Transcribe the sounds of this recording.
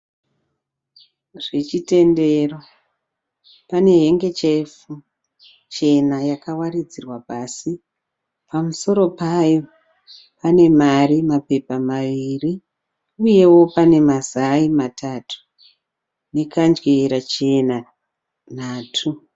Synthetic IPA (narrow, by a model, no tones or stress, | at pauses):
ʐ̥e̞t͡ʃite̞nde̞ro̞ | pane̞ɦe̞ŋɡe̞t͡ʃefu | t͡ʃe̞najakawarid͡zirwapaːsi | pamuso̞ɾo̞pajo̞ | pane̞marimape̞pamaʋiri | uje̞wo̞pane̞mazaimatʰatʰu̥ | ne̞kand͡ʒweɾat͡ʃe̞na | naːtʰu